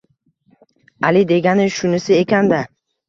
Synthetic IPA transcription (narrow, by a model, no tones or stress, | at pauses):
alɪd̪e̞ɡʲanɪʃʊnɪsɪekʲand̪a